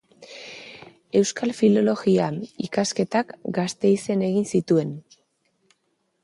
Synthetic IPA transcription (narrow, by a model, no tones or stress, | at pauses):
e̞wskalfilo̞lo̞ɣiaikaske̞t̪akɡast̪e̞ise̞ne̞ɣinsit̪ue̞n